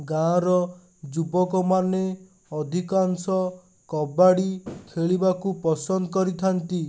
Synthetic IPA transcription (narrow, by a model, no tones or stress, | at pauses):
ɡãɾɔ | d͡ʒubɔkɔmane | ɔd̪ʱikansɔ | kɔbaɽikʰeɭibakupɔsɔnd̪ɔkɔɾit̪ʰant̪i